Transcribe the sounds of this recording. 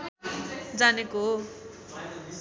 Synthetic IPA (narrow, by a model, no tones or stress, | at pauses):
d͡zanekoɦo